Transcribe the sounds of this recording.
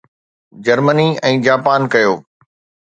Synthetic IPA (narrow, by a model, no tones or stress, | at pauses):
d͡ʑɐɾməniɛ̃ːd͡ʑaːpaːnkɐjoː